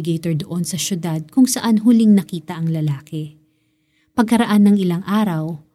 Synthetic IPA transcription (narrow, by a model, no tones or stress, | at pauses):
ɪɡejt̪oɹd̪oʔonsɐʃjʊd̪ad̪̚kʊŋsɐʔanɦʊlɪŋnɐkiːt̪ɐʔɐŋlɐlaːkɛ | pɐɡ̚kɐɾɐʔanːɐŋʔɪlaŋʔaːɾɐw